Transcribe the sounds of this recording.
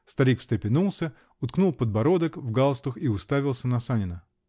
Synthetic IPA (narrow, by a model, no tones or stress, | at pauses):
st̪ɐɾʲikfst̪ɾʲɪpʲɪnulˠsʲə | ʊt̪knulˠpəd̪̚bɐɾo̞d̪əkvɡalˠst̪ʊxiʊst̪avʲɪlˠsʲənɐsanʲɪnə